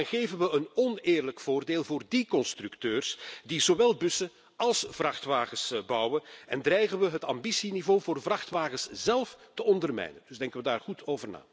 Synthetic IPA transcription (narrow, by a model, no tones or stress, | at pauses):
nɣeːvənʋəənɔneːrləkfoːrdeːlˠvoːrdikɔnstrʉktøːrsdizoʋɛlˠbɵsə | ɑlˠsv̥rɑxtʋaːɣəsbɑwənɛndrɛjɣənʋəɦətɑmbisinivoːvoːrvrɑxtʋaːɣəsz̥ɛlˠftəɔndərmɛ̰jnə̰nd̥ɵzdɛŋkəʋədaːrɣutʰoːvərna̰ː